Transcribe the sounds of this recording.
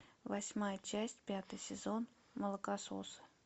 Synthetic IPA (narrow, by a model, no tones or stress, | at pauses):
vasʲmajət͡ɕæsʲtʲpʲat̪əjsʲɪzon | məlˠəkaso̰s